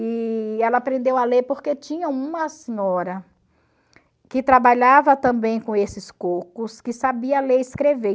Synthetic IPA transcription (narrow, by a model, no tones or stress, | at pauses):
iɛlɐːpɾẽnd̪ewalepoɾket͡ʃĩɲɐũmɐsẽɲɔɾɐ | kɪt̪ɾabaʎavɐt̪ɐ̃mbẽj̃kõesɪskokʊskɪsabiɐleɾɪskɾeve